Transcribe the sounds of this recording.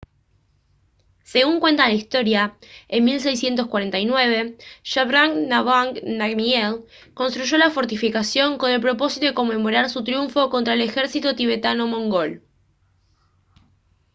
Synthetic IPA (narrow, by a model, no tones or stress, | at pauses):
se̞ɣuŋkwe̞nt̪alaist̪o̞ɾjaenmils̬e̞js̬je̞nt̪oskwaɾe̞nt̪ajnwe̞β̞e̞ʃaβɾaŋnaβanaɡmiel | ko̞nst̪ɾuʒo̞lafo̞ɾt̪ifikasjo̞ŋko̞ne̞lpɾo̞po̞si̥t̪oeko̞mːe̞mo̞ɾaɾsut̪ɾjuɱfo̞ko̞nt̪ɾae̞le̞xe̞ɾsit̪ot̪iβ̞e̞t̪ano̞mõ̞ŋɡo̞l